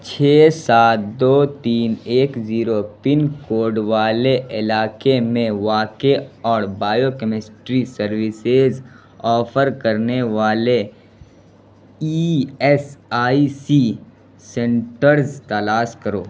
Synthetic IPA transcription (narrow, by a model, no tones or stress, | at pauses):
t͡ʃʰeːsaːt̪̚d̪oːt̪iːneːkziːɾopɪnkoːɾɖʋaːleʔɪlaːkemẽʋaːkeɔːɾbaːjokəmɪsʈɾisəɾʋɪsez | ɔːpʰəɾkɐɾneʋaːle | iɛsaːisi | sɛ̃ɳʈəɾzt̪ɐlaːskɐɾo̰ː